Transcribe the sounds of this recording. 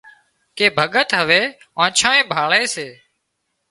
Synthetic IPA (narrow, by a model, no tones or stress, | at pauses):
keːbʱəɠət̪ɦəʋeː | ãːt͡ʃʰãːẽːbʱaːɭeːseː